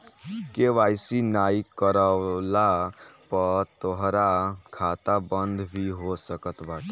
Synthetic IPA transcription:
keʋajsinaikəɾəlapət̪oɦɾakʰat̪abənd̪ʱbʱiɦosəkət̪bat̪

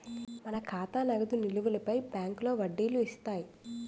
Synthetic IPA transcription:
mɐnɐkʰaːt̪aːnɐɡɐd̪uniluʋulɐpɐjbjaːŋklo̞ːʋɐɖːiːluist̪aːji

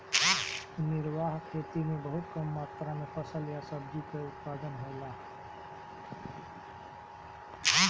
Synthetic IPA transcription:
niɾʋaɦkʰet̪imebəɦut̪kəmːat̪ɾamepʰəsəljasəbd͡ʒukeut̪pad̪ənɦoɪla

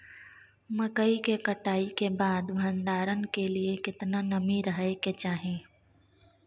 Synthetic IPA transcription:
məkəikekɐʈaːikebaːd̪bʱə̃nd̪aːɾənkeliekɪt̪nanɐmiɾəɦeket͡ʃaːɦẽː

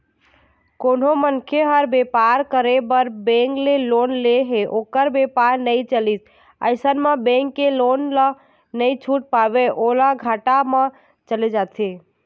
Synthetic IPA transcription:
kon̤omənkʰeɦəɾbepaɾkəɾebəɾbẽŋklelonleɦeʔokəɾbepaɾnəjt͡ʃəlit̪ | ə̰ɪsənmebẽŋkːelonləː | əjt͡ʃʰuʈ̚pabeʔolaɡʱaʈame | t͡ʃəled͡ʒat̪ʰe

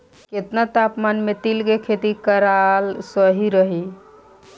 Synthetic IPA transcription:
ket̪nat̪apmanmet̪ilkekʰet̪ikəɾalsəɦiɾəɦi

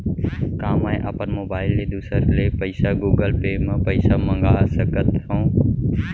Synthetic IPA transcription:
kãːmãːẽʔaːpənmoːbaːɪlːeːd̪uːsəɾleːpəɪsaːɡuːɡəlpeːmãpəɪsaːmə̃ŋɡaːsəkət̪ɦõː

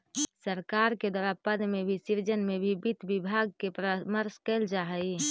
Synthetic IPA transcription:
səɾkaːɾked̪waɾapəd̪mẽbʱisiɾd͡ʒənmẽbʱibit̪bɪbʱaːɡ̚kepɾəməɾskeld͡ʒaɦəi

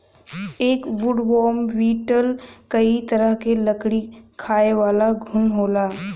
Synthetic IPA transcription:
eːkʋʊɖʋɔːmʋiːʈəlkɐit̪ɐɾəɦkelɐkɽikʰaːeʋaːlaɡʱʊnɦoːlaː

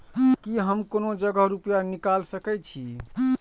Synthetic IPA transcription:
kiɦəmkonod͡ʒəɡəɦɾupjanikalsəkɛt͡ʃʰi

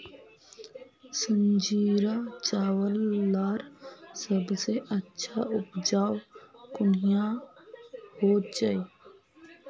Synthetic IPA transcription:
sə̃ɲd͡ʒiːɾat͡ʃaːwəlːaːɾsəbseʔətːʃʰaʊpd͡ʒaːwkʊnijã | hoːd͡ʒaiː

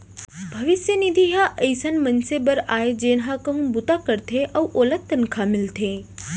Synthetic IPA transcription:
bʱɐʋɪsjənid̪ʱiɦaʔɐjsənmɐnsebɐɾaːed͡ʑeːnɦakɐɦũbʊt̪akɐɾt̪ʰeʔɐwʔoːlət̪ːənkʰamɪlt̪ʰeː

